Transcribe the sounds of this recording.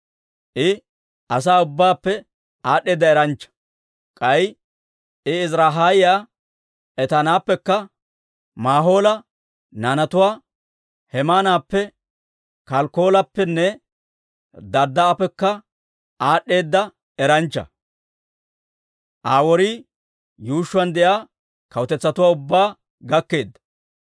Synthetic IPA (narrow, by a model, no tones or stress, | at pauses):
ʔɪ | ɐs̬aːʊbːaːpːɛ | aːɗːe̞ːd̪ːɐɛɾɐnt͡ʃːɐ̥ | kʼɐj | ɪɪzɾaːɦaːjɪjaː | ʔɛt̪ɐnaːpːɛkːɐ | maːɦo̞ːlɐ | nanɐt̪ʊwaː | hɛmaːnaːpːɛ | kɐlko̞ːlɐpːɛnːɛ | d̪ɐɾd̪ːɐːpːɛkːɐ | ʔaːɗːe̞ːd̪ːɐ | ɛɾɐnt͡ʃːɐ̰ | ʔaːwɔɾiː | juːʃːʊɐnd̪ɛʔjaː | kɐwt̪ɛt͡sːɐt̪ʊwaːʊbːaː | ɡɐkːe̞ːd̪ːɐ̥